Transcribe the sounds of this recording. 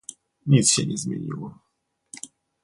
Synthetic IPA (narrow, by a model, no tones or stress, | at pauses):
ɲʲit̪sɕɛɲʲɛzmʲḛɲʲḭwɔ